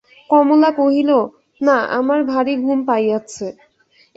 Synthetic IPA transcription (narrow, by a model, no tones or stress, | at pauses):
kɔmolakoɦilo | naa̰maɾbʱaɾiɡʱumpajat͡ɕʰe